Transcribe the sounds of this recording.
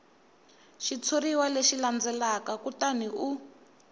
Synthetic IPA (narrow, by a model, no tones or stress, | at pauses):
ʃit͡sʰoɾiwaleʃiland͡zɛlakakutaniu